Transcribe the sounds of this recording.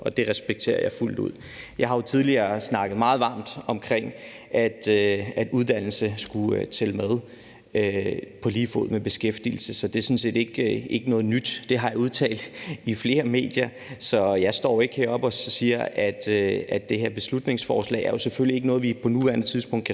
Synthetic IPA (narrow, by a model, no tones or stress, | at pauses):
ʔɒ̽d̥e̝ʁɛsb̥eɡ̥̚t͡sʰe̝̰ːɐjɑ̈ɪful̰d̥ṵð̰ˠ | jɑ̈ɪhɑ̈jo̝t͡sʰið̞ˠliɐsnɑ̈ɡ̥ð̞̩ˠmɑ̈ːð̞̩ˠʋɑ̈ːmd̥ɒ̽mkʰʁeŋ̰ | ʔæd̥øæd̥uðˠd̥æn̰l̩səsɡ̥uøt͡sʰelmæð̞ˠ | øpʰɒ̽liːfo̰ð̰ˠmeb̥e̝sɡ̥efd̥ḭl̩səsɒ̽d̥e̝æsɔ̽nse̝̰ːd̥e̝ɡ̥e̝ɡ̥ənɔ̽ːð̞̩ˠnyd̥d̥e̝ɦɑ̈jɑuðˠt͡sʰɛ̰ːld̥ifle̝ːɐme̝̰ːd̥jɐ | sɒ̽jɑ̈ɪsd̥ɒ̰ːe̝ɡ̥heɐɒ̽b̥ɒ̽siːɐʔæd̥æd̥ːe̝he̝ɐ̰b̥e̝slud̥ne̝ŋsfɒːslɛ̰ɪæɐjo̝sefølie̝ɡ̥ənɔ̽ːð̞̩ˠʋipʰɒ̽nuʋæɐnət͡sʰiðˠsb̥ɔ̽ŋ̰d̥kʰ